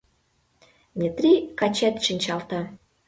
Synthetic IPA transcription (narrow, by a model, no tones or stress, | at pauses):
nʲet̪ɾʲikɑt͡ɕet̪ʃinʲt͡ɕɑlt̪ɑ